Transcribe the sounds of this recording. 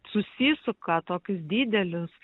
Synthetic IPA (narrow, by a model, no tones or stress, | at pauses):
sʊsʲiːsʊkɐt̪oːkʲʊs̬d̪ʲiːd̪ʲɛlʲɪs